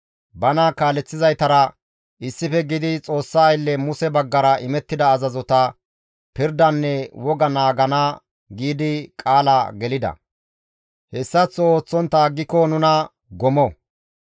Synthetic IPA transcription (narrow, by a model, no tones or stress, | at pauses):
bɐnɐkaːlɛt͡sːɪzɐjt̪ɐɾɐ | ʔɪsːɪfɛɡɪd̪ɪt͡sʼo̞ːsːaːjlːɛmʊsɛbɐɡːɐɾɐʔɪmɛt̪ːɪd̪ɐːzɐzɔt̪ɐ | pɪɾd̪ɐnːɛwɔɡɐnaːɡɐna | ɡiːd̪ɪkʼaːlɐɡɛlɪd̪ɐ̰ | hɛsːɐt͡sːɔoːt͡sːɔnt̪ːaɡɪkːɔnʊnɐ | ɡɔmɔ